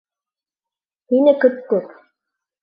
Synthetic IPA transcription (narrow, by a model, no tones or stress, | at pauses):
hinɘkɵt̪̚kʉp